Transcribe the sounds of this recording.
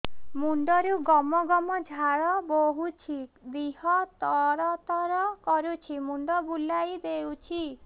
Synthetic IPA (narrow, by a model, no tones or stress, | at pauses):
muɳɖɔɾuɡɔmɔɡɔmɔd͡ʒʱaɽɔboɦut͡ʃʰid̪iɦɔt̪ɔɾɔt̪ɔɾɔkɔɾut͡ʃʰimuɳɖɔbulajb̪ewt͡ʃʰi